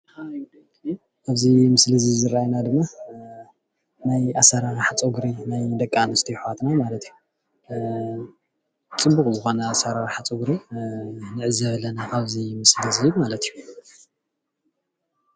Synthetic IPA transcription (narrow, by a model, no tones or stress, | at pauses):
ʔaβzimɨslɨzɨβzɨɾajnad̪ɨmːa | najasaɾaɾaħat͡sʼuɡɾinajd̪ɐkʼːanɨst̪ʰiħwat̪namalɐt̪ʰiju | t͡sʼɨbːukʼzɨxo̞nɐːsaɾaɾaħat͡sʼuɡɾi | nɨʕɨzɐβɐlɐnakʰaβzimɨslɨzɨβmalɐt̪ʰiju